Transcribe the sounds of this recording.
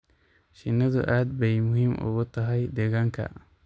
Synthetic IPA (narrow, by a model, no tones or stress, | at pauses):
ʃɪnːɐd̪ʊ̰ʔaːd̪bɛjmʊhimʔʊ̰ɣʊt̪ɐɦɐjd̪ɛɣaŋkʰɐ̰